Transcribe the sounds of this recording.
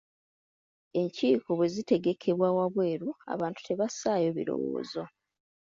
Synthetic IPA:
e̞ɲciːkoβwezite̞ɡe̞kʰe̞βwawaβwe̞ːɾua̰βaːntu̥tʰe̞βasaːjo̞βḭɾo̞̰wo̰ːzo

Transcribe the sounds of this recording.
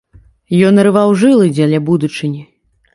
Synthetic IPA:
jɔnːɐɾɨvawʐɨlˠɨd͡zʲalʲabud̪ut͡ʂɨnʲi

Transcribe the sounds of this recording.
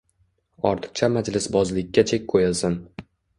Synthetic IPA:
ɒɾt̪ʰɨ̥q̚t͡ʃʰamad͡ʒlɪsbɒzlɪkʲːat͡ʃʰekʲkʰojɪlˠsɪn

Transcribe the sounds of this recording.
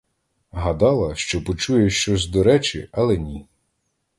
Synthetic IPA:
ɦɐd̪ɑlˠɐʃt͡ʃɔpɔt͡ʃujɛʃt͡ʃɔsʲd̪ɔɾɛt͡ʃɪɐlˠɛnʲi

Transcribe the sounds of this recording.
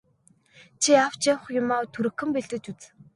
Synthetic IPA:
t͡ɕʰiaw̥t͡ɕaw̆χjʊmaːwt̪ʰuɾɘ̆kːɘ̆mpeɮt̪ɘ̆t͡ɕut͡s

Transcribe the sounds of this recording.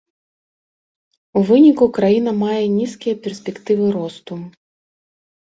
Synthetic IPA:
uvɨnʲikukɾajin̪ɐmajɛnʲiskʲijɐpʲɛrsʲpʲɛkt̪ɨvɨɾɔst̪u

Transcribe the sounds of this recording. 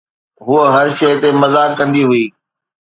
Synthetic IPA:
ɦuəɦɐɾʃɐːt̪emɐzaːkːɐ̃nd̪iɦʊiː

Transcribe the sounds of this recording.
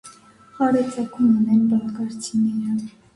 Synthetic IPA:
χɑɾɛt͡sɑkʰumunɛnbɑkɑɾt͡sʰinɛɾə

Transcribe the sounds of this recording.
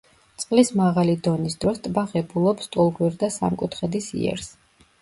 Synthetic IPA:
t̪sʼqʼlismaʁalid̪ɔnisd̪̥ɾɔst̪ʼbaʁɛbulˠɔpst̪ʼulˠɡwiɾd̪asa̰mkʼut̪ʰχɛd̪isḭɛ̰ɾs

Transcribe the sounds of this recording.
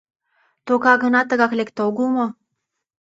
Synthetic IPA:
t̪okɑɡɤ̆nɑt̪ə̆ɡɑklekt̪oɡumo

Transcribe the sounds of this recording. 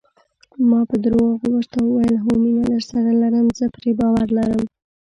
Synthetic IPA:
mɑpəd̪əɾwɑɣwəɾt̪awəwajəlɦominaləɾsaɾalaɾəmzəpɾebɑwaɾlaɾəm

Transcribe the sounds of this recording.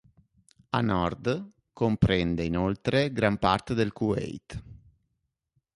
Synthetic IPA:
anɔrd̪ | kompɾɛnd̪einolt̪ɾeɡɾampart̪ed̪elkuɛ̰jt̪

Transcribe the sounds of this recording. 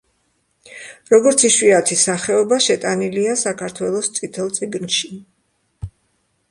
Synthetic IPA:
ɾɔɡɔɾt̪sʰiʃwiat̪ʰisaχɛɔbaʃɛt̪ʼaniliasakʰaɾt̪ʰwɛlˠɔst̪sʼit̪ʰɛlˠt̪sʼiɡnʃi

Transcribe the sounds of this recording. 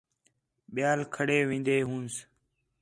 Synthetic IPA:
ɓɪjaːlkʰəɽeːʋĩːnd̪eːɦũːns

